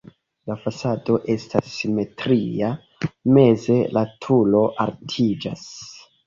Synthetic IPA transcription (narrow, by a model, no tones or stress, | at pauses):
lafasado̞ʔe̞stasːime̞tɾia | me̞ze̞latʰulo̞ʔaɾtʰid͡ʒas